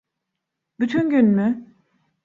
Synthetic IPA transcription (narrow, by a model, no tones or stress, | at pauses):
byt̪ʰynɟynymy